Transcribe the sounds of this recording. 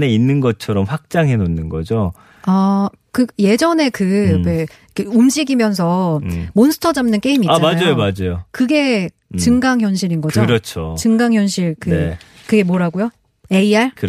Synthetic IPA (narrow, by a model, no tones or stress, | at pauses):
neinːɯnɡʌt͡ɕʰʌɾʌmɸwak̚t͡ɕ͈aŋɦe̞nonːɯnɡʌd͡ʑo | a | kɯɡje̞d͡ʑʌne̞kɯe | ikʰeumd͡ʑiɡimjʌns̬ʰʌmonsʰɯ̥tʰʌd͡ʑamnɯnk͈eimiaamad͡ʑaojomad͡ʑajokɯɡe̞ | t͡ɕɯŋɡaŋçjʌnɕʰiɾinɡʌd͡ʑoɯɾʌt͡ɕʰot͡ɕɯŋɡaŋçjʌnɕʰiɭkɯe | kɯɡe̞mwʌɾaɡujo | e̞iaɭkɯ